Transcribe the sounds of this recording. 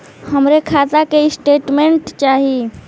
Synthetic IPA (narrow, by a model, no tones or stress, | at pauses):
həmɾekʰat̪akeisʈeʈmeɳʈt͡ʃaɦi